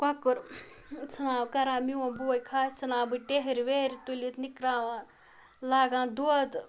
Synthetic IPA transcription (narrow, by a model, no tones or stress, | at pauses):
kakɨɾ | t͡sʰɨnaːbkɐɾaːmiwãbuɐjkʰaːt͡sʰɐnaːbɨʈeɦiɾweɾit̪ulit̪nikɾaːwãː | laːɡãːnd̪uɐd̪